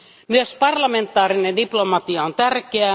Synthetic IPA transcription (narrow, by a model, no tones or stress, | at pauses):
myøspɑrlɑment̪ːˑɑːrinendiplomɑt̪iɑont̪ærkeæ